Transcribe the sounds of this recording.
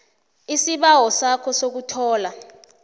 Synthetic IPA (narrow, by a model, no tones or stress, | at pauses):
isiɓawɔsakʰɔsok̬utʰɔːla